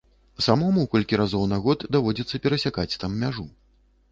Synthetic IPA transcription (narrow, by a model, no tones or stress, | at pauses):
samɔmukɔlʲkʲiɾazɔwnaɣɔd̪d̪avɔd͡zʲit̪sːɐpʲɛɾɐsʲakat͡sʲt̪amːʲaʐu